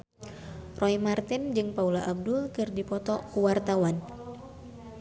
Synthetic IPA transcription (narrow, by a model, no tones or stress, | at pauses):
rʔɔimart̪ɪnd͡ʒɨŋpaulaʔab̚dulkɨrdipɔt̪ɔkuwart̪awan